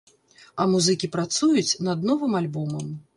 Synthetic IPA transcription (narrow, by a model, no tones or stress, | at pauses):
ɐmuzɨkʲipɾat̪sujut͡sʲnɐd̪̚nɔvɨmalʲbɔmɐm